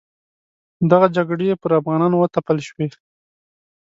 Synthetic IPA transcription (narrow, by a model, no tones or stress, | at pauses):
d̪aɣad͡ʒaɡɽejepəɾafɣɑnɑnwət̪apəlʃwe